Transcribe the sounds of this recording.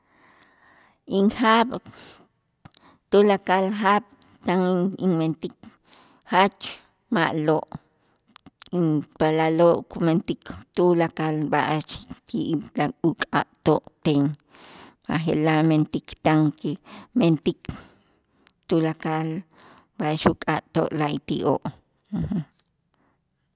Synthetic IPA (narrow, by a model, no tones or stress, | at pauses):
iŋxaɓ | t̪ulakalxaɓ̥ | t̪aŋiŋment̪ik | hat͡ʃ | maʔloʔ | inpalaloʔkument̪ikʰt̪ulakalba̰ʔat͡ʃkʰiʔlaukʼa̰ʔt̪oʔt̪eŋ | ma̰xḛlament̪ikt̪aŋkement̪ik | t̪ulakal | baʔaʃukʼaʔt̪o̰ʔlait̪iʔoʔ̩ | h̩